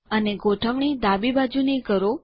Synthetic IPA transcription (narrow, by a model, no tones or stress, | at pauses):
əneɡoʈʰəʋɳ̃id̪abibad͡ʒuneɡəɾo